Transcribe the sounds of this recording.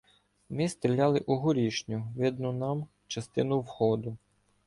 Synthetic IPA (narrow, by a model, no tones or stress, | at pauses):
mɪst̪ɾʲilʲɑlˠɪʔʊɦʊɾʲiʃnʲʊʋɪd̪nʊnɑm | t͡ʃɐst̪ɪnʊwhɔd̪ʊ